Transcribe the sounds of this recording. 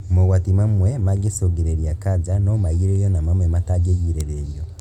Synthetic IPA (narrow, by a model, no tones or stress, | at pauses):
moɣwatimamwemaɡesoɡiɾeɾjakad͡ʒanomaiɾejonamamwemataɡejiɾeɾeːɾjo